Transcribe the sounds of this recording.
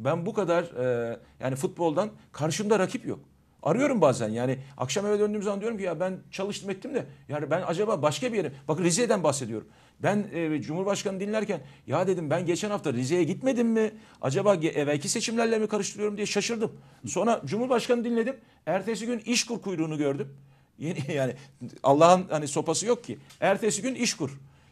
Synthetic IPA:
bænbukad̪aɾja̰ːnifut̪̚bo̞lˠd̪ankʰaɾʃɯmd̪aɾacʰipjo̞̰k̚ | a̰ɾɯjo̞ɾumbaːzæ̰njaːnɪa̰kʃamevɛd̪ø̞nd̪yːmzamand̪ijoɾumcijabænt͡ʃʰalˠɯʃt̪ʰɯmet̪ʰːimd̪ɛjaːnibænad͡ʒabaːbaʃkabije̞ɾimb̥akɯnɾized̪ænbaxse̞d̪ijo̞ɾṵm | bænd͡ʒumhuɾbaʃkanɯd̪inlʲæɾcʰænjaːd̪e̞d̪imbænɟet͡ʃʰænhaft̪ʰaɾize̞jɛɟit̪me̞d̪imːi | a̰d͡ʒabaːɟʔevælcʰise̞t͡ʃʰimlʲæɾlʲemikʰaɾɯʃt̪ɯɾɯjo̞ɾumd̪ijɛʃaʃɯɾd̪ɯmso̞nɾad͡ʒumhuɾbaʃkanɯd̪inlʲe̞d̪im | æɾt̪ʰeːs̬iɟyniʃkuɾkʰujɾuːnuɟø̞ɾd̪ym | jenijaːnia̰lˠːaːhɯnhaniso̞pasɯjo̞k̚cʰːiæɾt̪ʰeːsiɟyniʃkʰuɾ̥

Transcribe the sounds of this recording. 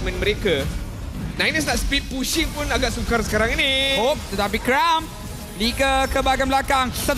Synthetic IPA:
mə̃nməɾeka | nãjnəs̬naʔspit̪̚puʃiŋpunaɡaʔsukarsə̥kaɾaŋinihop̚t̪ət̪ap̬ikɾam | liɡəkəbaɡanbəlakaŋsət̪

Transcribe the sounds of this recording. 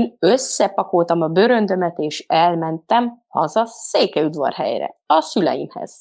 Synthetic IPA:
nøsːɛpɒko̞lt̪ɒmɒbøɾø̞nd̪ø̞mɛt̪eːʃɛlmɛnt̪ɛmhɒ̰zɒseːkɛud̪vɒ̰rɦɛ̰jɾɛ̰ɒsylɛ̰jḭmhɛ̰z̥

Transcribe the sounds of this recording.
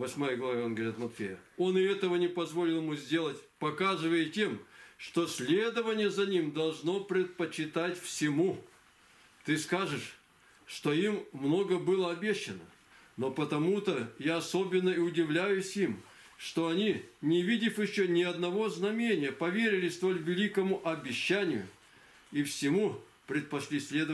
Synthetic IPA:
vɐsʲmajəɡlˠɐvaonɡəvɐɾʲit̪mɐt̪fʲejəo̞nɪɛt̪əvənʲɪpɐzvo̞lʲɪlˠmuzʲdʲe̞lˠətʲpɐkazɨvəjətʲe̞mʂt̪o̞sʲlʲed̪əvənʲɪjəzɐnʲimd̪ɐlˠʐno̞pɾʲɪt̪̚pət͡ɕːɪt̪atʲfsʲɪmu | t̪ɨskaʐɨʂ | ʂt̪o̞imːno̞ɡəbɨlˠəɐbʲeɕːɪnə | nopət̪ɐmut̪əjaɐso̞bʲɪnːəiʊdʲɪvlʲæjʊsʲim | ʂt̪o̞ɐnʲinʲɪvʲidʲɪfjɪɕːonʲɪɐd̪nɐvo̞znɐmʲenʲɪjəpɐvʲeɾʲɪlʲɪst̪o̞lʲvʲɪlʲikəmʊʔɐbʲɪɕːænʲɪjʊ̰ | ifsʲɪmu | pɾʲɪt̪̚pɐsʲlʲisʲlʲed̪ə

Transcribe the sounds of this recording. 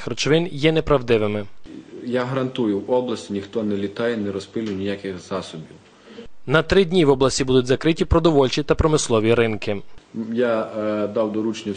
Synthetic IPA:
xɾɔt͡ʃʋɪnjɛnɛpɾɐwd̪ɪʋɪmɪjaɦɐɾɐnt̪ujʊwɔblˠɐsʲtʲinʲixt̪ɔnɛlʲit̪ɑjɛnɛɾɔspɪlʲʊjnʲijakɪxz̥ɑsɔbʲiw | nɐt̪ɾɪdʲnʲiʋɔblˠɐsʲtʲibud̪ʊtʲzɐkɾɪtʲipɾɔd̪ɔʋɔlʲt͡ʃit̪ɐpɾɔmɪslˠɔʋʲiɾɪnkɪjad̪ɑwd̪ɔɾut͡ʃnʲi

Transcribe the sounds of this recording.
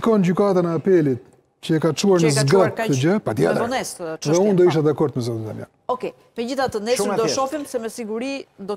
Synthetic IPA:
kɔnɟykat̪anɛapɛlit̪ | cəɛkat͡ʃuaɾnəzɡat̪t̪ːəd͡ʑəpat̪jɛ̰ɔnɛsðɛund̪ɔiʃ̬t̪ɛd̪akɔɾd̪mɛzɔt̪nt̪a̰lja̰nɔkɛ | pɛd͡ʑiθat̪ənɛsd̪ɔʃɔfimsɛmɛsiɡuɾid̪ɔ

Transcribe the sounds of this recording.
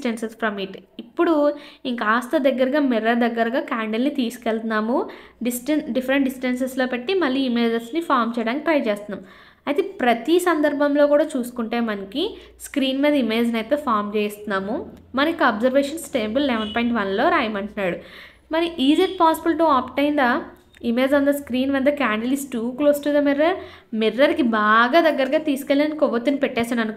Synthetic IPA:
sʈensespɾɐmiʈipːuɽuiŋkɐaːst̪ɐd̪ɐɡːɐɾɐɡaːmɛɾɐd̪ɐɡːɐɾɐɡaːkaːɳɖelnit̪iːsu̥kelt̪unːaːmuɖisʈɐnɖifʰɐɾeɳʈɖisʈɐnseslo̞ːpe̞ʈːimɐlːiːme̞ːd͡ʒɐsnipʰaːɾmt͡ʃɛjɽaːnkipɾɐjt͡ʃeːst̪unːaːm | ɐjt̪epɾɐt̪isɐnd̪ɐɾbʱɐmlo̞ːkuːɽaːt͡ʃuːsu̥kuɳʈe̞ːmɐnɐki | skɾiːnmeːd̪ɐime̞ːd͡ʒnɐjt̪e̞ːpʰaːɾmt͡ʃeːjst̪unːaːmumɐnɐikːɐɐːbzɐɾʋeːʂɐnsʈeːmbulːɛʋɐnpaːjɳʈʋɐnlo̞ːɾaːjɐmɐɳʈunːaːɽu | mɐɾiʔiːzeʈ̚paːsibɐlʈuaːpʈɐjnd̪ɐ | ime̞ːd͡ʒʋɐnd̪ɐskɾiːnʋɐnd̪ɐkaːɳɖɐlisʈukloːsʈud̪ɐmɛɾɐɾ | miɾːɐɾikibaːɡaːd̪ɐɡːɐɾɐɡaːt̪iːsu̥kelːiɐnikɔʋɐt̪ːunipɛʈːɛːsaːnɐnuk

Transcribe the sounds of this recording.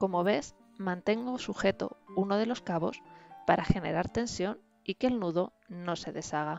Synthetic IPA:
ko̞mo̞β̞e̞s | mãnt̪e̞ŋɡo̞suxe̞t̪o̞̰uno̞ð̞e̞lo̞skaβo̞̰spaɾʔaxe̞ne̞ɾaɾt̪e̞nsjo̞n | ikeːlnuðo̞ | no̞se̞ðe̞saɣ̞a

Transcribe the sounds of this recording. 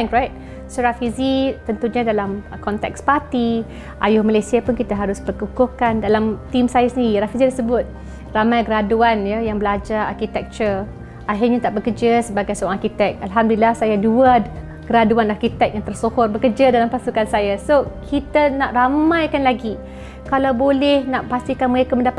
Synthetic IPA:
t̪ɛ̃ŋkɾajt̪̚ | soɾafizit̪ənt̪uɲãdalamkɔnt̪ɛ̰kspat̪i | ʔajʊhmalajsiapʊnkit̪aɦaɾʊsbərkukʊhkandalamt̪imsajasəniɾiɾafizidasəbʊt̪̚ | ramajɡəɾaduanjajaŋbəlad͡ʒaɾa̰rkit̪ɛk̚t͡ʃər | ʔaɦɪrɲat̪aʔbəkərd͡ʒasəbaɡajsəãŋarkit̪ɛk̚alɦamdlilahsajaduə | ɡəɾaduanarkit̪ɛk̚jaŋt̪ərsohʊrbəkəd͡ʒadalampasukansajasokʰit̪ənaʔramãjkanlaɡi | kalawbolɛhnaʔpast̪ikanməekəməndapa

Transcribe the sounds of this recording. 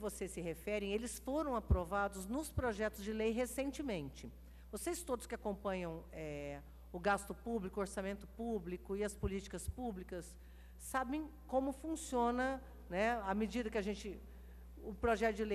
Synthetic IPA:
ɪvosesɪɦefɛɾẽelɪsfoɾɐ̃w̃apɾovad̪ʊznʊspɾoʒɛt̪ʊzd͡ʒɪlejɦesẽnt͡ʃɪmẽnt͡ʃɪ | vosejst̪od̪ʊskɪakõpɐ̃ɲɐ̃w̃ɛ | ʊɡast̪ʊpublikʊoɾsamẽnt̪ʊpublikʊɪɐspʊlit͡ʃi̥kɐspublikɐsː | abẽj̃ | kõmʊfũsiõnɐ | nɛamɪd͡ʒid̪ɐkɪɐʒẽnt͡ʃɪ | ʊpɾoʒɛt̪ʊd͡ʒɪlej

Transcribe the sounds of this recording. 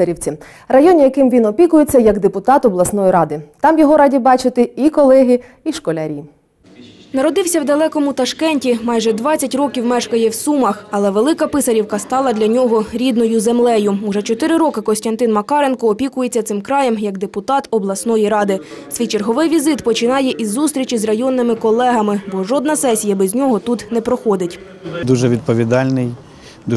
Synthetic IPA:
ɐɾʲiwt͡sʲi | rɐjɔnʲijɐkɪmʋʲinɔpʲikʊjet͡sʲːɐjɐɡd̪epʊt̪ɑt̪ɔblˠɐsnɔjiɾɑd̪ɪt̪ɑmjɔɦɔɾɑdʲibɑt͡ʃɪt̪ɪikɔlˠɛɦi | iʃkɔlʲaɾʲiː | nɐɾɔd̪ɪwsʲɐwd̪ɐlˠɛkɔmʊt̪ɐʃkɛnʲtʲimɑjʒɛd̪ʋɑt͡sʲɐtʲrɔkʲiwmɛʃkɐjɛwsumɐxɐlˠɛʋe̞lˠɪkɐpɪsɐɾʲiwkɐst̪ɑlˠɐd̪ʲlʲɐnʲɔɦɔɾʲid̪nɔjʊzemlˠɛjʊuʒɛt͡ʃɔt̪ɪɾɪɾɔkɪkɔsʲtʲɐnt̪ɪnmɐkɑɾenkɔːpʲikʊjet͡sʲːɐt̪sɪmkɾɑjɛmjɐɡd̪epʊt̪ɑt̪ɔblˠɐsnɔjiɾɑd̪ɪ | sʲʋʲijt͡ʃerɦɔʋɪjʋʲizɪt̪pɔt͡ʃɪnɑjɛʔizːust̪ʲɾʲit͡ʃizrɐjɔnːɪmɪkɔlˠɛɦɐmɪbɔʒɔd̪̚nɐsɛsʲijɐbɛzʲnʲɔɦɔt̪ut̪nɛpɾɔxɔd̪ɪtʲ | d̪uʒɛʋʲid̪̚pɔʋʲid̪ɑlʲnɪj | d̪

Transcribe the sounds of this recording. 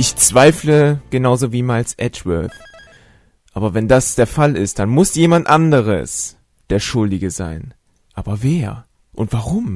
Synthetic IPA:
ʔɪçt͡sv̥aɪfləɡ̥ənaʊzoviːmalsʔɛtvœ̰θ | ʔaːbɐvɛndasd̥eːɐfalɪst̚d̥anmʊsjeːmantʔandəʁ̞ə̰s | d̥eːɐʃʊldɪɡəza̰ɪn | ʔaːbɐveːɐ | ʔʊntv̥aʁʊm

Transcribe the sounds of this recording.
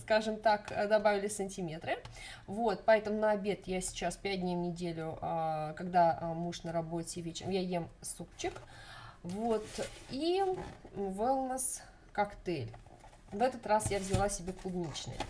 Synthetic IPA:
skaʐɨmt̪akd̪ɐbavʲɪlʲɪsənʲtʲɪmʲe̞t̪ɾɨ | vo̞t̪̚pɐɛt̪əmʊnəɐbʲe̞t̪jasʲɪ̥t͡ɕaspʲædʲnʲɪjnʲɪdʲelʲʊəkɐɡd̪amuʂnəɾɐbo̞tʲɪvʲet͡ɕɪɾmjajemsup̚t͡ɕːɪk | vot̪i | vɨlˠnəs | kɐkt̪ɛlʲ | vɛt̪ət̪rasjavzʲɪlˠasʲɪbʲe̞klˠʊɡnʲit͡ɕnɨ̰j

